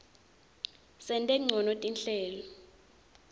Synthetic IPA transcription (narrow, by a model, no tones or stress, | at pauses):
sɛntʼɛŋ͡ǀʱɔnotʼinɬɛːlɔ